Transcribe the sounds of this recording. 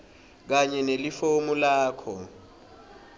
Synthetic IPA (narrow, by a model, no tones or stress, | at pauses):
k̬aɲɛnelifomulaːkʰɔ